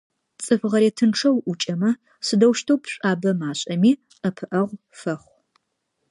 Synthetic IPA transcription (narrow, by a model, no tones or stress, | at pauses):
t͡sʼɨfʁɐɾeːtʰɨnʈ͡ʂʰɐwʔʊt͡ʃʼɐmɐ | sɨdɐwʃtʰowpʰɕʷʼaːbɐmaːɕʼɐmiː | ʔɐpʰɨʔɐʁʷ | fɐχʷ